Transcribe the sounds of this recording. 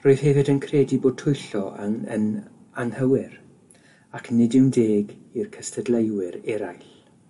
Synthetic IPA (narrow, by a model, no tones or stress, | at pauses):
roːɨð̥hɛvɨdənkʰrɛːdiboːd̚tʰʊjɬɔaə̰n | anhəwɪɾ | akʰnɪdɪwndeːɡirkʰəstʰədlejwɪɾɛɾajɬ